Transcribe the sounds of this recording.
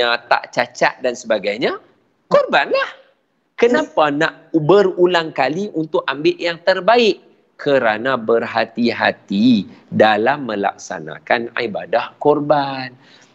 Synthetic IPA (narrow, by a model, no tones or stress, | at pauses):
ãt̪a̰ʔt͡ʃat͡ʃa̰t̪̚dansəbaɡajɲa | kɔrbanlah | kənãpanaʔubərulaŋkaliʔunt̪ʊkambɪʔ̪jaŋt̪ərbaɪʔ | kʰəɾanãbərɦat̪iɦa̰t̪idalamːə̃la̰k̚sa̰na̰kana̰ibadahkɔrban